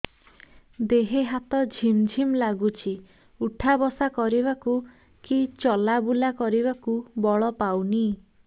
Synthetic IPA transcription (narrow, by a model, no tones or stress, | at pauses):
d̪eɦeɦat̪ɔd͡ʒʱimd͡ʒʱimlaɡut͡ʃʰi | uʈʰabɔsakɔɾiβaku | kit͡ʃɔlabulakɔɾibakubɔɭɔpawni